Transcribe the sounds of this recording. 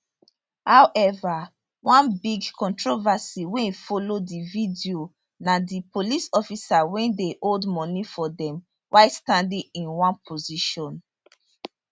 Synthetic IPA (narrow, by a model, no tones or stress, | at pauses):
hawʔɛva | wʔãnbiɡkɔ̃ntɹovasiwɛ̃fɔlodividio | nadipolisɔfisawɛ̃ndeʔoldmɔ̃nifɔdɛ̃m | wʔaɪstãndĩĩnwãnpʰoziʃɔ̃n